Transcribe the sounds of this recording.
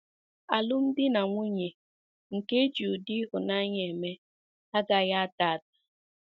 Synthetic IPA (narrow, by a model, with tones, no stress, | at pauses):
a˨lʊ˦m̩˦dɪ˦na˨ŋʷu˦ɲe˨ | ŋ̩˨ke˦d͡ʒu˨di˦ɦʊ˨na˦ɲe˨me˦ | a˦ɡa˨ɣa˦a˦ta˨a˨t̚ḁ˨